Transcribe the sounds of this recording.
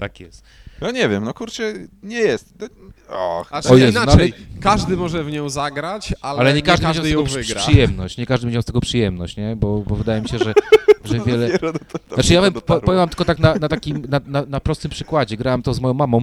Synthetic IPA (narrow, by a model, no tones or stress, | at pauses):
t̪akjɛst̪ | j̪ɔɲɛvʲjɛmnɔkuɾt͡ʂɛɲɛjɛst̪nɔɔaɔjɛsnaalɛkaʐd̪ɘmɔʐɛvɲɔ̃w̃zaɡɾat͡ɕalalɛɲɛkaʒd̪mɲd͡ʑaw̪ɡɔvɨɡɾapʂɨjɛmnɔɕt͡ɕɲɛkaʐd̪ɪmɲd͡ʑɛwst̪ɛɡɔpʂɨjɛmnɔɕt͡ɕɲɛbɔbɔvɨd̪ajɛmiɕɛʐʐɛʐɛvʲjɛlɛɛɾɔd̪t̪at͡ʂɨjavɛmtpɾpɔjɛwamt̪ɘl̥kɔt̪aknatnat̪akʲimnananapɾɔst̪ɘmpʂɘkwad͡ʑɛɡɾawamt̪ɔzmɔjɔ̃w̃mamɔ̃w̃